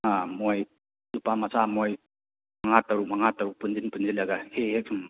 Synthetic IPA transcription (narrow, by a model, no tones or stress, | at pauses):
amoj | dupamasamoj | mɐŋatːaɾuk̚maŋatːaɾupund͡ʒinpund͡ʒilɐɡahehek̚sʰum